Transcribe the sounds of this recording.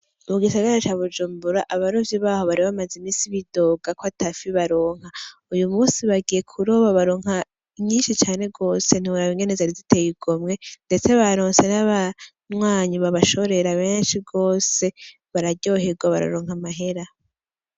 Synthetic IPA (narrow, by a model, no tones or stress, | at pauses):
muɡisaɡaɾat͡ʃaβud͡ʒuːmbuɾaʔaβaɾovjiβaːhoβaɾiβamazimiːsiβido̞ːɡakwatafiβaɾo̞ːŋ̥haujumuːsiβaɡije̞kʰuɾoβaβaɾoːŋha | iɲiːnʃit͡ʃaːne̞ɡo̞ːse̞n̥iuɾaβiŋɡe̞ne̞zaɾizitʰe̞jiɡ̥omŋe̞nde̞t͡se̞βaɾoːnse̞naβa | nwaːɲiβaβaʃo̞ɾe̞ɾaβenʃiɡo̞ːse̞ | βaɾaɟo̞ɦeɡwaβa̰ɾa̰ɾoːŋ̥amaɦe̞ɾa